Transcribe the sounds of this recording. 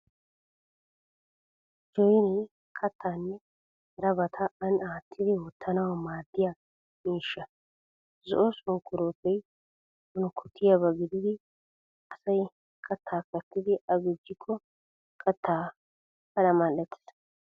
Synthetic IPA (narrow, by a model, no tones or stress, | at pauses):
d͡ʒɔjnɛj | kʰɐt̪ːaːnːɛ | ɾɐbɐt̪ʰɐɐnaːt̪ʰːɪd̪ɪwɔt̪ʰːɐnɐwɐmaːd̪ːɪja | miːʃːɐ | zɔ̰ʔɔsʊŋkːʊɾoːpːɛj | hʊnʊkʰʊt̪ʰːɪjabɐɡɪd̪ɪd̪ɪ | ɐsɐj | kʰɐt̪ʰːaːkːɐt̪ːɪd̪ɪʔɐɡɪd͡ʒːɪkʰːɔ | kʰɐt̪ːaː | kɐlɐmɐlɛt̪ːɪ̥s